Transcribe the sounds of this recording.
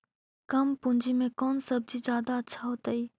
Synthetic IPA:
kɐmpʊ̃ɲd͡ʑimẽkɔːnsɐb̚d͡ʑizjaːd̪aɐtːt͡ɕʰaɦot̪ɐiː

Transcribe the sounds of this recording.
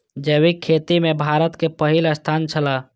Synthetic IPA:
d͡ʒəβikʰːet̪imebʱaɾət̪kepəɦiləst̪ʰant͡ʃʰəla

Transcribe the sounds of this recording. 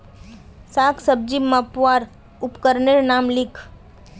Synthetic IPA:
saːkʰsəb̚d͡ʒimapʋaːɾ | ʊpkəɾneɾnaːmlɪkʰ

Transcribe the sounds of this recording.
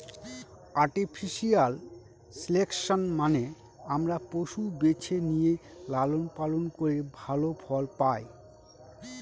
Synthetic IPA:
aɾʈipʰiʃial | silekʃonmane | amɾapoʃubet͡ɕʰenijelalonpalonkoɾebʱalofʰɔlpaj

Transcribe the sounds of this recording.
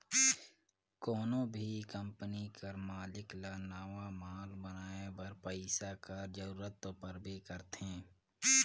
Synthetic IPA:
kɔːnõbʱikə̃mpənikʰəɾmaːlɪklanaːʋamaːlbənaːebɐɾpəɪsakaɾd͡ʒəɾuːɾət̪opəɾbʱikəɾt̪ẽː

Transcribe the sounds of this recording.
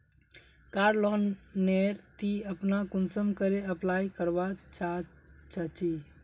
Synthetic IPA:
kaɾlonːeɾt̪iəpnakunsəmkəɾeəplajkəɾʋat͡ʃa | t͡ʃət͡ʃi

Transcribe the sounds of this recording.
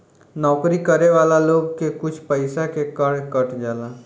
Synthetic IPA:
nɔːkɾikɐɾeʋaːlaloːɡkekʊt͡ʃʰpəɪsakekəɽkəʈd͡ʒaːlaː

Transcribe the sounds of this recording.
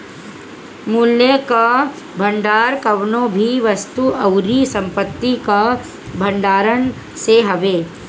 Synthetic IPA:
muljeka | bʱɐ̃ɳɖaːɾkɐʋnõbʱiʋɐst̪uʔɐʊɾisɐ̃mpət̪ːika | bʱɐɳɖaːɾən | seɦɐʋeː

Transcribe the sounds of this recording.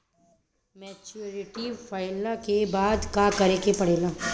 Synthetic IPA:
mɛt͡ʃuɾɪʈifaːɪlakebaːd̪kakɐɾekepɐɽ̤eːlaː

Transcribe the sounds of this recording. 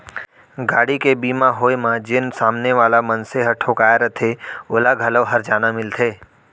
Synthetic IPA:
ɡaːɽikebiːmãɦoːjmãd͡ʒɪnsaːmneʋaːlamənseɦəʈʰokaːjaɾət̪ʰeoːlaɡʱələɦəɾd͡ʒaːnamɪlt̪ʰeː

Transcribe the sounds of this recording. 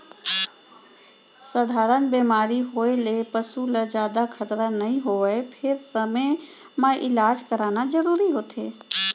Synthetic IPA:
səd̪ʱaːɾənbeːmaːɾiɦoːelepəsuləd͡ʒjaːd̪akʰət̪ɾanɐɦĩɦoːʋəepʰɪɾsəme | mãʔɪlaːd͡ʒkəɾaːnad͡ʒəɾuːɾiɦoːt̪ʰeː

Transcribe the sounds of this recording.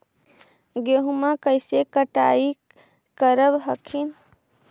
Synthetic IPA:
ɡeɦumakəjsekəʈa̰i | kəɾəbɦəkʰin

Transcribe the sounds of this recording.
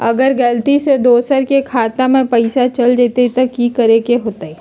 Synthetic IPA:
ɐɡəɾɡɐlt̪ised̪oːsəɾkekʰaːt̪amẽpɐɪsat͡ʃɐld͡ʒeːt̪et̪ɐkːikɐɾekeɦoːt̪aiː

